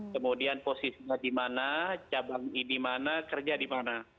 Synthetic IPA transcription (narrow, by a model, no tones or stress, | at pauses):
kəmudianposisiɲadimanat͡ʃabaŋidimanakərd͡ʒadimana